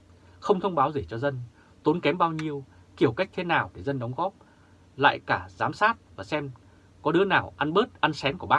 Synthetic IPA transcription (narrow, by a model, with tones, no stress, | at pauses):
xə˧wŋ͡mt̪ʰə˧wŋ͡mɓaː˨˦wze˧˩t͡ɕɔ˧zə˧n | t̪o˨˦nkɛ˨˦mɓaː˧wɲi˧əw | ki˧˩əwka˦˥jk̚t̪ʰe˨˦naː˨˩wɗe˧˩zə˧nɗə˨˦wŋ͡mɣɔ˦˥p̚ | la̰ː˧˨jkaː˧˩zaː˨˦msaː˦˥t̚vaː˨˩sɛ˧m | kɔ˨˦ɗɨ˨˦ənaː˨˩wʔa˧nɓəː˦˥t̚ʔa˧nsɛ˨˦mku˧˩əɓaː˦˥